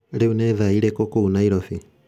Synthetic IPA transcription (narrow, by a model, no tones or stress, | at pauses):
leunɛðaiɾɛkɔkounaiɾɔθi